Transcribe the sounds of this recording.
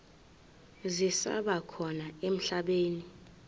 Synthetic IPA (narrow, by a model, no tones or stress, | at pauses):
zisa̰ɓakʰɔnaem̩ɬaɓeːni